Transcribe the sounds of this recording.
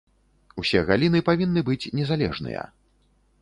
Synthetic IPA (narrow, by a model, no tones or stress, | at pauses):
usʲɛɣalʲinɨpavʲinːɨbɨt͡sʲnʲɛzalʲɛʐnɨ̰jɐ̰